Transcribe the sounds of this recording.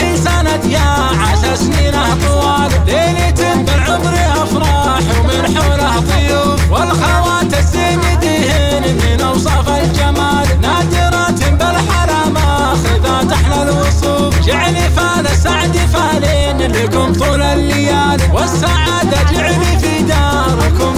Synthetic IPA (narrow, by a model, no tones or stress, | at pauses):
ʔisanat̪ja | ʕaʃɑɾˤsniːnaht̪ˤʊwɑːlleːlit̪ɪmbɪlʕʊbɾiʔafɾˤɑː | ħwmɪnħuːlaht̪ˤɨjufwɪlxawaːt̪asimid̪ihɪ | nmɪnʔɑwsˤɑfald͡ʒamaːlnaːd̪ɪɾˤɑt̪ɪmbɪlħaɾaːma | xɪðaːt̪aħnalwʊsˤuːfd͡ʒɪʕlifaːnasaʕd̪ifaːli | nlikʊmt̪ˤʊlalːɪjaːnwɪsːaʕaːd̪at̪ɪʕlifid̪ɑː | ɾˤkʊm